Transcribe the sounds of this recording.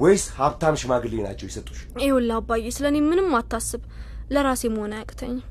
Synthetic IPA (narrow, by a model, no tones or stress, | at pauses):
wɔjshaβt̪ʰamʃmaɡɨlina̰t͡ʃːɛwjisət̪ʼu̥ʃewɔlːabajːesɨlənemɨnɨmːat̪ʰːasːɨβləɾasjɛməhonəakʼt̪ʰəɲː